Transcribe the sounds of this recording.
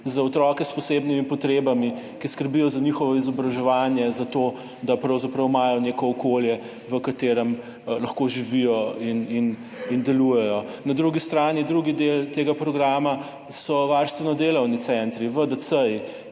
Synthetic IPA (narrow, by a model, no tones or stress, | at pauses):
zaɔt̪ɾɔkɛspɔsebnimipɔt̪ɾebami | kiskəɾbijɔzaɲixɔʋɔizɔbɾaʒɛʋanjɛzat̪o | d̪apɾɐwzapɾɐwmaːjɔnekɔːkoljɛ | ʋəkat̪eːɾəm | lɐxkoʒiʋijɔinin | ind̪ɛlujɛjɔnad̪ɾuɡist̪ɾaːnid̪ɾuɡid̪elt̪eɡapɾɔɡɾaːma | sɔʋaɾst̪ʋɛnɔd̪eːlɐwnit̪t͡s̪ɛnt̪ɾiʋəd̪əsəj